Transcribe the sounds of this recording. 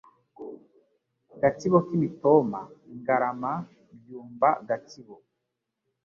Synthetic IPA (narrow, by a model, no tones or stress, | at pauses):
ɡatiβokimitoma̰ŋɡaɾama | bjuːmbaɡatiβo